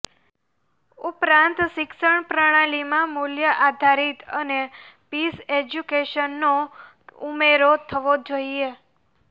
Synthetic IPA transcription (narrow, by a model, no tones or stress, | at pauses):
upɾãnt̪ʃɪkʃəɳ̃pɾəɽ̃alimãmuljəʔad̪ʱaɾit̪ənepised͡ʒjukeʃənːo | umeɾot̪ʰəʋod͡ʒoie